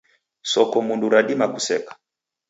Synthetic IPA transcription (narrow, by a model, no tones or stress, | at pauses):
sɔkɔmunduɾaɗimakusɛkḁ